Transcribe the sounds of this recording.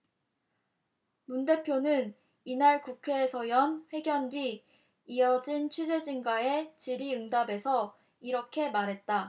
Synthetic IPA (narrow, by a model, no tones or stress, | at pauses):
munde̞pʰjonɯn | inaɭkukʰwe̞ːsʰʌjʌnɸwe̞ɡjʌndɥiː | ʌd͡ʑint͡ɕʰid͡ʑe̞d͡ʑiŋɡae̞t͡ɕiɾiɯŋdabe̞sʰʌ | iɾʌkʰe̞maɾɦe̞t̚t͈a